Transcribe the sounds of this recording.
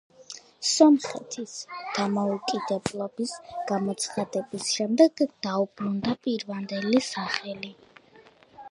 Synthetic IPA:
sɔmχɛt̪ʰisd̪̥amɔukʼid̪ɛblˠɔbisɡ̥amɔt̪sʰχad̪ɛbisʃɛmd̪ɛɡd̪̥aubɾund̪apʼiɾvand̪ɛlisaχɛli

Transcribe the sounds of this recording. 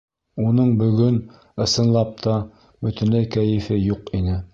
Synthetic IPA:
unɤɴbɵ̆ɡɵn | ɤ̆sɤ̆nlˠɑp̚t̪ʰɑ | bɵ̆t̪ɘ̆nlɘjkæjɘ̆fɘjuqinɘ

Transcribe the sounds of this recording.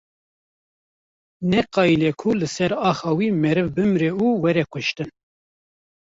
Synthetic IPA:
nɛqɑːilekʰulɨsɛɾɑːxɑːwiːmɛɾɨvbɨmɾeuːwɛɾɛkʷʰʊʃt̪ɨn

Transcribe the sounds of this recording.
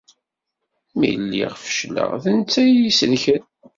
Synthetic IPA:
mḭlːḭʁfə̥ʃlə̰ʁθənt͡sːæjisəlçən

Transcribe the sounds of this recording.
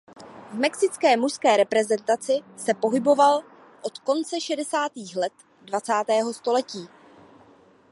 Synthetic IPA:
vmɛksɪt͡skɛːmuʃskɛːɾɛpɾɛzɛnt̪at͡sɪsɛpo̞ɦɪbo̞val | ʔot̪ko̞nt͡sɛʃɛdɛsaːt̪iːxlɛt̪ | dvat͡saːt̪ɛːɦo̞st̪o̞lɛciː

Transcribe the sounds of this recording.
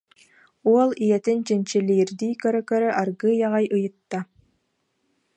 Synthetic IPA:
uɔlˠijɛt̪int͡ɕint͡ɕiliːɾd̪iːkœɾœkœɾœʔaɾɡɯːjaʁajʔɯjɯt̪ːa

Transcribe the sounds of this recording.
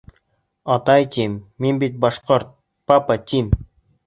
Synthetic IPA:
ɑt̪ɑjt̪ʲimːinbit̪̚bɑʃqoɾt̪̚ | papat̪ʲim

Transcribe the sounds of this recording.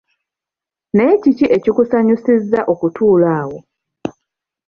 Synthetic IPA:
ne̞ːciciʔe̞cikusaɲusizːaʔo̞kutʰuːlaːwo̞

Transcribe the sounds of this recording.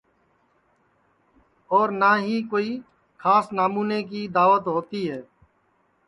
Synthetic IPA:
ɔːɾnaːɦiːkoːiː | xʰaːsnaːmuːneːk̬iːd̪aːʋət̪ɦoːt̪iɦɛː

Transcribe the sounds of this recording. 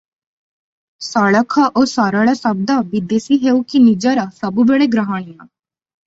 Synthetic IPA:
saːɽəkʰaʔoːsaːɾaːɽasəb̚d̪abid̪eːsiɦeːukinid͡ʒaɾaːsəbubeːɽeɡɾəɦaːɽ̃ɪjãː

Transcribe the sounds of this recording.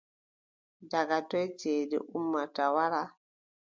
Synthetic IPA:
daɡatɔjd͡ʒedḛʔumːatawaɾa

